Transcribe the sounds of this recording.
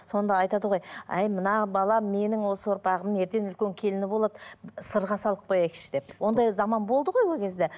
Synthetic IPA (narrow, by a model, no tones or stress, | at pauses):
so̞nd̪ɑːjt̪ɑd̪əʁo̞jæjmənɑbɑlˠɑme̞nɪŋwo̞səwoɾpɑʁəmne̞ɾt̪e̞nʏlkʲeŋkʲʰe̞lɪnɪbo̞lˠɑd̪əsəɾʁɑsɑlˠəq̚bojækʲɪ̥ʃɪ̥d̪e̞p̚wo̞nd̪ɑjzɑmɑnbo̞lˠd̪əʁo̞jwo̞lˠkʲʰe̞zd̪e̞